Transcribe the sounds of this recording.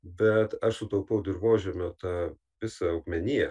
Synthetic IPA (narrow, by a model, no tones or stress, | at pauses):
bʲɛt̪ɐʃsʊt̪ɐʊpɐʊd̪ʲɪrʋoːʒʲɛmʲoːt̪ɑː | ʋʲɪsɐɐʊɡmʲɛnʲiːɛ